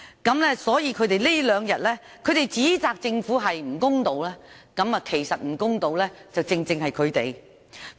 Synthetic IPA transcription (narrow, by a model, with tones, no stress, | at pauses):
kɐ˨˥mlɛː˥sɔː˨˥jiː˧kʰɵ˨˧ɥt̪e˨jli˥lœː˨˧ŋjɐ˨t̚lɛː˥ | kʰɵ˨˧ɥt̪e˨jt͡siː˨˥t͡saː˨˧k̚t͡sɪ˧ŋfuː˨˥ɦɐ˨jm̩˨˩kʊ˥ŋt̪o˨˧wlɛː˥kɐ˨˥mɐː˧kʰe˨˩jsɐ˨t̚m̩˨˩kʊ˥ŋt̪o˨˧wlɛː˥t͡sɐ˨wt͡sɪ˧ŋt͡sɪ˧ŋhɐ˨jkʰɵ˨˧ɥt̪e˨j